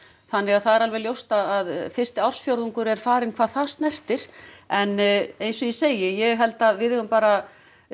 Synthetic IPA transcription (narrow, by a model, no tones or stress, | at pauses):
θanːɪɣaðθaðɛɾalvɛljowst̪aðaðfɪr̥st̪ɪawr̥sfjowɾðuŋkʏɾɛɾ̥faːɾɪnkʰv̥aːðθast̪nɛr̥t̪ɪɾ̥ɛnejnsɔiseːjɪjɛɣɦɛlt̪aðvɪðɛɣʏmpaːɾa